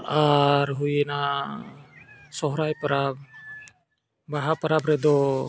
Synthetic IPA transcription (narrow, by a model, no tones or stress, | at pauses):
aɾɦujɛna | sɔɦɾajpaɾab̚ | baɦapəɾabɾɛd̪ɔ